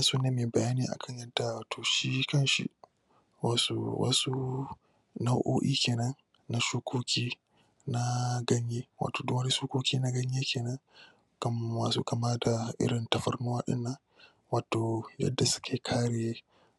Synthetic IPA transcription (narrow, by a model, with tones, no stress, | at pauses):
a˦suː˦neː˦meː˨bɐ˨jaː˦niː˨ʔa̰˨kʰɐ˦˨ɲjɐ˦dːa˨waː˨tʰoː˨ʃi˦kɐ˦nʃḭ˦ | waː˨sṵ˨wɐ̰˦su˦ | na˦wʔo̰ː˦ʔḭː˦kʲeː˨nɐ˦n | na˦ʃuː˦kʷʰoː˦kʲiː˦ | na˦ɡɐ˦ɲjeː˦wa̰˨toː˨dʊ˦wɐ˦ni˦ʃuː˦kʷoː˦kʲiː˦na˦ɡɐ˦ɲjeː˦kʰʲeː˨nɐ˦ŋ | kɐ˦mːaː˨sṵː˦kɐ˨ma˦da˨ʔɪ̰˦ɽɪ˨ntɐ˨ɸɐ̰˦rn˦waː˦ɗɪ̰˦nːɐ˦ŋ | waː˨toː˨jɐ̰˦dːa˨sʊ̥˦kʰʲeː˨kʰaː˦ɽeː˨